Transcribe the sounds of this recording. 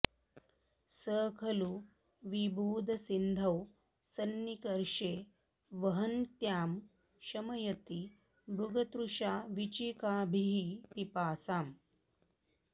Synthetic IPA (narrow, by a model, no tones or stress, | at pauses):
səːkʰɐlu | ʋibʱuːd̪ʱɐsind̪ʱɐw | sɐnːikɐɾʃeː | ʋɐɦɐnt̪jaːm | ʃɐmɐjɐt̪i | bɾuɡɐt̪ɾuʃaːʋit͡ʃiːkaːbʱiɦipipaːsaːm